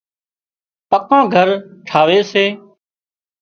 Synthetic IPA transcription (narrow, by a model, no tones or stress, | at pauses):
pəkãːɡʱəɾʈʰaːʋeːseː